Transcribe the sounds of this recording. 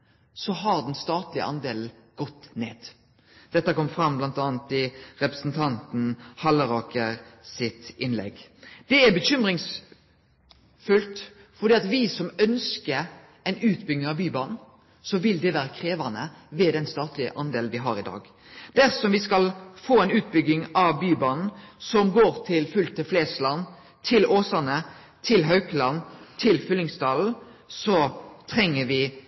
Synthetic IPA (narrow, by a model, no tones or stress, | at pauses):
sɔɦɑɾd̪ɛnst̪ɑːt̪lɪəʔɑnd̪eːln̩ | ɡ̥ɔt̪ːnḛːd̪̥ | d̪̥ɛt̪ːəkɔmːəfɾɑmblɑnt̪ɑːnt̪ɪɾɛpɾə̥snt̪ʰɑnt̪n̩hɑləʁoːkəʁsɪt̪ɪnlɛ̰ɡd̪̥ɛæbəɕʏmʁɪŋs | fʉlt̪ | fɔɾd̪iːɑt̪ʋɪsɔmœnskəɾ | ɛɪnʉːt̪bʏɡnəɾɑbyːbɑːnn̩ | sɔʋɪld̪ɛʋæːɾəkʰʁeːʋɑnəʋɛːd̪ɛnst̪ɑːt̪lɪə̰ʔɑnd̪eːlnʋɪɦɑɾɪd̪ɑ̰ːɡ | d̪̥æɾsɔmʋɪskɑlfoːæɪnʉːt̪̚bʏɡɪŋɑʋbyːbɑːnn̩sɔmɡoːɾt̪ʰɪlfʉlt̪əfleːslɑn | t̪ʰɪlʔoːsɑnə | t̪ʰɪlɦœʉklɑnt̪ʰɪlfʏlːɪŋst̪ɑːln̩sɔt̪ʰɾɛŋːəʋɪ